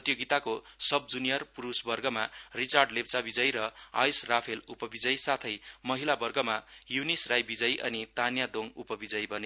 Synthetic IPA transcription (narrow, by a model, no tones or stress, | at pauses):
ʌt̪joɡit̪akosʌb̚d͡zunijʌrpuɾusbʌrɡʌmarit͡sarɖlebt͡sabid͡zʌjɾʌa̰jsrapʰelupʌbid͡zʌjsat̪ʰʌjmʌɦilabʌrɡʌmajunisrajbid͡zʌjʔʌnit̪anjad̪oŋupʌbid͡zʌjbʱʌne